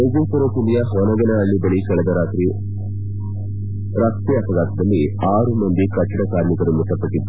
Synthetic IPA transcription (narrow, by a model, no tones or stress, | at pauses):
ejd͡ʒepuɾokuljɐɦɔnɐɡɐnɐːɭːibɐɭikɐɭɐd̪ɐɾaːt̪ɾi | ɾaːkt̪iɐpɐɡaːt̪ɐd̪ɐlːiaːɾumɐnd̪ikɐt͡ʃːɐɽɐkaːɾmikɐɾumut̪ːɐpɐʈːid̪ːu